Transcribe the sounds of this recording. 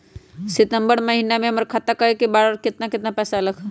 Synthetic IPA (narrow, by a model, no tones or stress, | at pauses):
sɪt̪əmbəɽməɦinamẽɦɐməɾkʰat̪akəɾekibaɽəɾkɪt̪nakɪt̪napɛːsaləɡ